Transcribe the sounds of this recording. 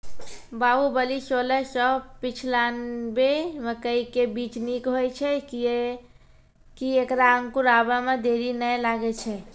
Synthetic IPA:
baɦubəlisolɛsəpit͡ʃʰlanbeməkəikebit͡ʃnikɦojt͡ʃʰɛ | kiekɾaəŋkuɾabamed̪eɾinəjlaɡɛt͡ʃʰɛ

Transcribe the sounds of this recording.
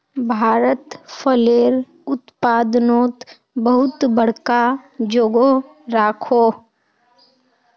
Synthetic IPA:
bʱaːɾət̪fʰəleːɾ | ʊt̪paːd̪noːt̪ | bəɦʊt̪bəɽ̤kad͡ʒoːɡo | ɾaːkʰoː

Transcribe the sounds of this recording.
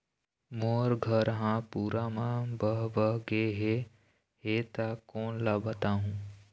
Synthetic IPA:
moɾɡʱəɾɦãpuɾamãbəɦbəɦɡeɦe | ɦet̪akoːnlabət̪aɦũː

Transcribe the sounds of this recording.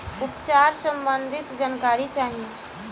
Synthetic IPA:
ʊpt͡ʃaːɾsə̃mbə̃nd̪ʱɪt̪d͡ʒankaːɾit͡ʃaːɦie

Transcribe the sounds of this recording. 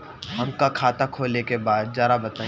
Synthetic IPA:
ɦɐmkakʰaːt̪akʰoːlekebaːd̪̚d͡ʒjaːɾabɐt̪ãː

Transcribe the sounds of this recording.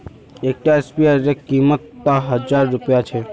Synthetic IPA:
ek̚ʈaespiaɾekimət̪ːaɦəd͡ʒaɾːupjat͡ʃʰe

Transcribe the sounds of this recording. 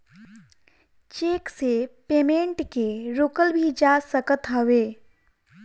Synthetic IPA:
t͡ʃeːksepeːmẽːɳʈkeɾoːkəlbʱid͡ʒasəkət̪ɦəʋeː

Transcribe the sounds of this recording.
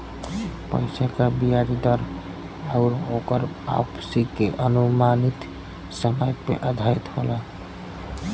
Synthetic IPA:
pə̰ɪsakabiaɾid̪əɾ | əʊɾokəɾ | a̰psikeʔənumanit̪ | səməjpḛʔəd̪ʱait̪ɦola

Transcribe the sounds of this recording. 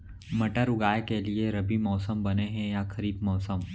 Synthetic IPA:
mɐʈəɾʊɡaːekelieɾɐbimɔːsəmbɐneɦɛ̃jakʰɐɾiːbmɔːsəm

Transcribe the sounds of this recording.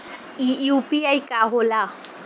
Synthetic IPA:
iupiajkaɦola

